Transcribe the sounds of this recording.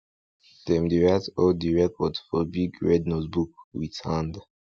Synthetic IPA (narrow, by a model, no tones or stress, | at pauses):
dɛ̃mdiɹatɔldiɹɛkʰɔdfɔbiɡɹɛdnozbuk̚witʰãnd